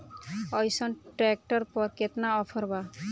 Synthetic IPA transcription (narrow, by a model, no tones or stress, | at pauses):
ɔjsɔnʈɾɛk̚ʈɔɾpɔɾket̪naɔpʰɔɾba